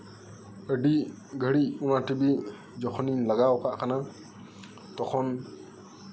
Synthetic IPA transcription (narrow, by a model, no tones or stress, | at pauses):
əɖiʔ | ɡʱəɽiʔunaʈibi | d͡ʒɔkʰɔnilaɡawkaʔkana | t̪ɔkʰɔn